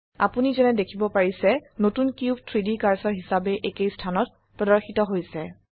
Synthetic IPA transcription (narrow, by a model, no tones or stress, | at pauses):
a̰punizɛnɛdekʰibɔpaɹisɛnotunkiubtʰɹidikaɹsɔɹɦisabɛʔekejstʰanɔt̚ | pɹɔdɔɹxitɔɦojsɛ